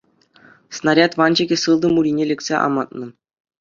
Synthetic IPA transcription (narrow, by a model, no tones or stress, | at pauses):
snɑrʲɑt̪ʋɑnd͡ʑeɡʲĕsɯlˠd̪ɤ̆muɾʲinʲelʲĕkʲsʲeʔɑ̰mɑt̪nɤ̆